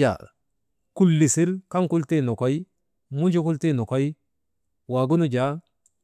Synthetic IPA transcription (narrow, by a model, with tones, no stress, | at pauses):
a̰˨ | ku˨lːi˨si˦lka˦ŋku˦lti˦nɔ˨ka˦j | mu˦nd͡ʒu˦ku˦lti˦nɔ˨ko˦j | wa˨ɡu˦nu˦d͡ʒa˨˦